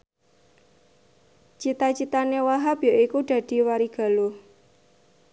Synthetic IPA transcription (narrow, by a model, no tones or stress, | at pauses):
t͡ʃit̪at͡ʃit̪anewaɦabjoʔikuɖ̥ä̤d̪̥i̤waɾiɡ̥a̤loh